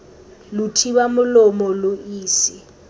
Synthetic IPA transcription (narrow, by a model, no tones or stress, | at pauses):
lutʰiɓamʊlɔmɔloiːsi